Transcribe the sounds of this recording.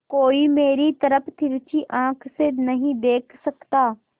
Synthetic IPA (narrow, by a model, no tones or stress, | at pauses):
koːimeːɾit̪ɐɾəpʰt̪ʰɪɾt͡ʃiʔãːkʰsenɐɦĩd̪eːkʰsɐkt̪aː